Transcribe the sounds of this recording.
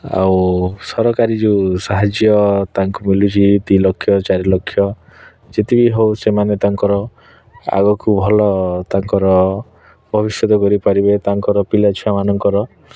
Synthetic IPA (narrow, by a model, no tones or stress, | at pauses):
a̰wsɔɾɔkaɾid͡ʒesaɦad͡ʒjɔt̪aŋkumilut͡ʃʰit̪ilɔkʰːjɔt͡ʃaɾilɔkʰːjɔ | d͡ʒet̪ibiɦowsemanet̪aŋkɔɾɔ | a̰ɡɔkubʱɔlɔt̪aŋkɔɾɔ | bʱɔbisjɔt̪ɔkɔɾipaɾibet̪aŋkɔɾɔpilat͡ʃʰiamanɔŋkɔɾɔ